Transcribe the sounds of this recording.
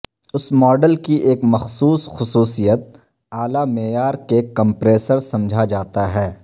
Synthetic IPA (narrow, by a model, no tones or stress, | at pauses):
ʊsmɔːɖəlkiʔeːkmɐxsuːsxʊsuːsijət̪̚ | aːlameːjaːɾkekɐ̃mpɾeːsəɾsɐ̃md͡ʒʱad͡ʒaːt̪aɦɛː